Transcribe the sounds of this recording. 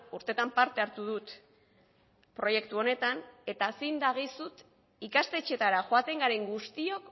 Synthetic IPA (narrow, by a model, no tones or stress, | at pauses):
uɾt̪e̞t̪ampaɾt̪e̞aɾt̪uð̞ut̪ | pɾo̞je̞kt̪uo̞ne̞t̪ane̞t̪aːsind̪aɣ̞isut̪ | ikast̪e̞t͡ʃe̞t̪aɾaʝoat̪e̞ŋɡaɾe̞ŋɡust̪io̞k